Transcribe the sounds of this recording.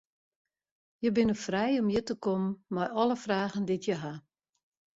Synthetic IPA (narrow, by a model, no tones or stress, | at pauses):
jəbɪnəfrɛjɔmjətəkɔmənmajɔləfraːɣənditjəɦa